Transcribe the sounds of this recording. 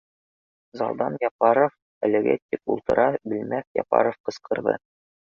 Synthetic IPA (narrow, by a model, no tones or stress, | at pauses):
zɑlˠd̪ɑnjɑpɑɾof | ælɘ̆ɡæ̰t̪ʲipṵlˠt̪ɤ̆ɾʔɑbɘ̆lmækjɒ̰pɑ̰ɾofqɤ̆sqɤ̆ɾðɤ̰